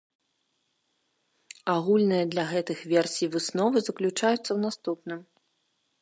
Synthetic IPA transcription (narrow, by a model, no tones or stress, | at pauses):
aɣulʲnɨjɐd̪lʲɐɣɛt̪ɨxvʲɛrsʲijvɨsnɔvɨzɐklʲut͡ʂajut̪sːɐwn̪ast̪upnɨm